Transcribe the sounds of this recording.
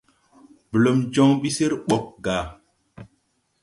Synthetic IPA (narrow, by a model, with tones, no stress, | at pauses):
bə˨lo˨md͡ʒɔ˦ŋɓi˦si˦ɾɓo˨k̚ɡa˨